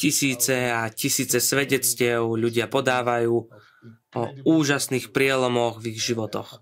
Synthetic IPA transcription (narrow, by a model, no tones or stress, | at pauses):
cisiːt͡sɛacisiːt͡sɛsʋɛɟɛt͡scɪɛʊʎuɟɪapɔd̪aːʋajuː | ɔuːʒasniːxpɾɪɛlɔmɔɣviɣʒiʋɔt̪ɔ̰x